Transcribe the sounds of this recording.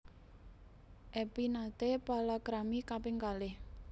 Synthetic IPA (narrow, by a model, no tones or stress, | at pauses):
ʔɛpinad̪epalakɾamikapeŋkalɪh